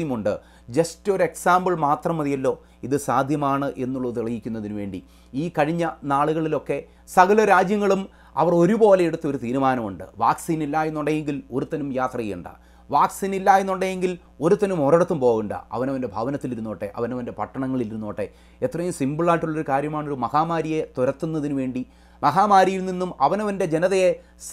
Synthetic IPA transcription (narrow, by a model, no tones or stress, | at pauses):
jmuɳɖɨ | d͡ʑɐsto̞ɾeksaːmbɐɭmaːt̪rɐmɐðijɐlːo̞ː | iðɨsaːd̪ʱjɐmaːɳɨʔe̞nːuɭːɐɨt̪iɭɐjikʲːunːɐðinuʋe̞ːɳɖi | iːkɐɻiɲːɐnaːɭuɣɐɭilo̞kːe̞ | sɐɣɐlɐɾaːd͡ʑjɐŋːɐɭum | ɐ̰ʋɐro̞ɾubo̞ːlejeɽut̪ːɐo̞ɾut̪iːɾumaːnɐmuɳɖɨ̰ʋaːksiːnilːaːjenːuɳɖejeŋɡilo̞ɾut̪ːɐnumjaːt̪rɐjejuɳɖɨ̰ | ʋaːksinilːaːjenːuɳɖejeŋɡil | o̞ɾut̪ːɐnumorɐɽɐt̪ːumpo̞ːɣuɳɖɨ̰ɐ̰ʋɐnɐʋɐnde̞bʱɐʋɐnɐt̪ːiliɾunːoːʈːe̞̰ʔɐ̰ʋɐnɐʋɐnde̞pɐʈːɐɳɐŋːɐɭiliɾunːoːʈːe̞ | et̪rɐjumsimbiɭaːʈːuɭːɐo̞ɾukaːɾjɐmaːɳo̞ɾumɐhaːmaːɾije̞t̪uɾɐt̪ːunːɐðinuʋe̞ːɳɖi | mɐɦaːmaːɾijilninːumɐʋɐnɐʋɐnde̞d͡ʑenɐðɐje | s